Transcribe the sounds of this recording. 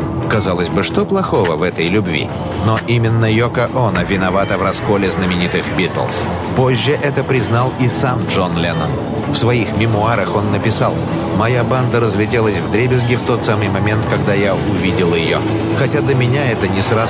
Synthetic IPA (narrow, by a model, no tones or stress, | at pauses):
kɐzalˠəsʲbɨʂt̪oplˠɐxo̞vəvɛt̪əjlʲʊbvʲḭ | noʔimʲɪnːəjokəʔonəvʲɪnɐvat̪əvrɐsko̞lʲɪznəmʲɪnʲit̪ɨxbʲit̪ə̰lˠs | po̞ʑːɪʔɛt̪əpɾʲɪznalˠisamdʐo̞nlʲenə̰n | fsvɐixmʲɪmʊaɾəxo̞nːəpʲɪsalˠ | mɐjaband̪əɾəzlʲɪtʲelˠəsʲvd̪ɾʲebʲɪzɡʲɪft̪o̞t̪samɨjmɐmʲe̞nt̪kɐɡd̪aja | ʊvʲidʲɪlˠjɪjo̰ | xɐtʲad̪əmʲɪnʲaɛt̪ənʲɪsra